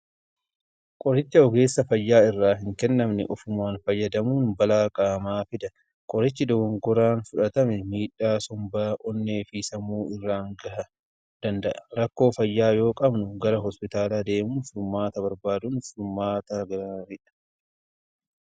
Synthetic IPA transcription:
kʼɔɾɪt͡ʃːɐɔɡe̞ːsːɐfɐjːaːɪrːaːɦɪŋkɛnːɐmnɛ̰ʔɔfʊmaːnfɐjːɐd̪ɐmuːnbɐlaːkʼaːmaːfɪd̪ɐ | kʼɔɾɪt͡ʃːɪd̪ɔɡɔŋɡɔɾaːnfʊᶑɐt̪ɐmɛmiːᶑːaːsɔmbaːʔɔnːeːfisɐmuːɪrːaːŋɡɐhɐ | d̪̥ɐnd̪ɐʔɐ̥ɾɐkːo̞ːfɐjːaːjo̞ːkʼɐbnʊɡɐɾɐɦɔspɪt̪aːlaːd̪e̞ːmuːnfʊɾmaːt̪ɐbɐɾbaːd̪ʊnfʊɾmaːt̪ɐɡɐɾɐɾɪᶑɐ̥

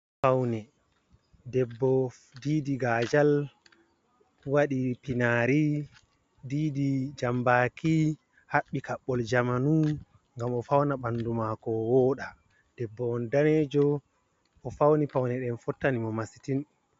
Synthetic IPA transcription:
fawnɛ | dɛbːɔ | diːdiɡad͡ʒal | waɗipinaːɾi | diːdid͡ʒambaki | haɓːikaɓːɔld͡ʒamanu | ŋɡamɔfawnaɓandumakɔwɔːɗa | d̥ɛbːɔɔndaneːd͡ʒɔ | ʔɔfawnipawnɛɗɛnfɔtːanimɔmasi̥tin

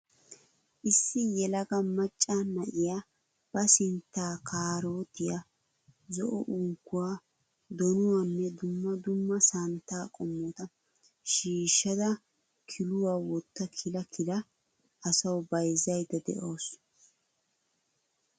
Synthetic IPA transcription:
ʔɪsːɪjɛlɐɡɐmɐt͡ʃʼːanɐʔɪja | b̥ɐsɪnt̪ːaːkʰaːɾoːt̪ɪja | zɔʔɔʔʊŋkːʊwaː | d̪ɔnʊwɐnːɛd̪ʊmːɐd̪ʊmːɐsɐnt̪aːkʼɔmːoːt̪ɐ | ʃiːʃːɐd̪ɐ | kʰɪlʊwaːwɔt̪ːɐkʰɪlɐkʰɪlɐ | ɐsɐwbɐjzːɐjd̪ɐd̪ɛ̰ʔoːs

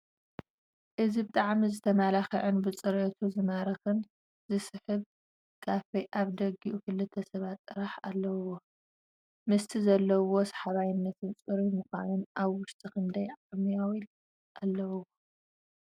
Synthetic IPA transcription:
ʔɨzibt̪ʼaʕmizɨt̪ʰɐmalaxɐʕɨnbɨt͡sʼɨɾɐt̪ʰuzɨmaɾɐxɨn | zɨsɨħɨβ | kʰafɐjʔaβd̪ɐɡiʔukɨlːɨt̪ʰːɐsɐβat̪ʼːɨɾaħalːɐwwo | mɨst̪ʰizɐlːɐwo̞sḁħaβajɪnːɐt̪ʰɨnt͡sʼɨɾimɨxa̰nunʔaβwʊʃt̪ʼikʰɨnd̪ɐjʕamijawil | ʔalːɐwuwo

